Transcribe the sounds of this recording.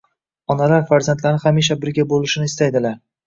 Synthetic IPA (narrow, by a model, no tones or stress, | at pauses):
ɒnalaɾfaɾzant̪laɾɪχamiʃ̬abɪɾɡʲabolɪʃɪnɪst̪ajd̪ɪlaɾ